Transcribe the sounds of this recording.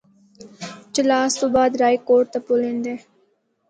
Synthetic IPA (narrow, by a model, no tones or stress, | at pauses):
t͡ʃəlaːst̪oːbaːd̪ɾaːikoːʈt̪apolĩnd̪eː